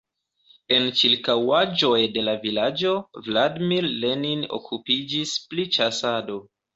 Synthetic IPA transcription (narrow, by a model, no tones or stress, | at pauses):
e̞nt͡ʃiɾkawad͡ʒo̞jde̞lavilad͡ʒo̞vladmilːenino̰kʰupid͡ʒisplit͡ʃasado̞